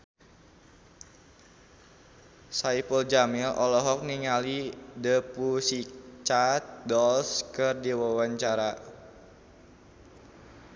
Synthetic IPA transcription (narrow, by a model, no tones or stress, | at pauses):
saipəld͡ʒamilʔɔlɔɦɔk̚niŋalidəpusit͡ʃat̪̚dɔlskɨrdiwawaɲt͡ʃaɾa